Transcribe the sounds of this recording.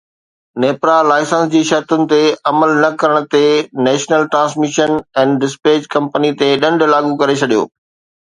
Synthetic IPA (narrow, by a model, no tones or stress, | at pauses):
neːpɾalaːɪsə̃nsd͡ʑiːʃɐɾt̪ʊnɪ̆t̪eɐməlnɐkɐɾəɽ̃ʊ̆t̪enɛːʃnəlʈɾãːns̬mɪʃənɛ̃ːnɖɪspeːd͡ʑkɐ̃mpənit̪eɗɐ̃ɳɖʱlaːɠukɐɾet͡ɕʰɐɗijo̰ː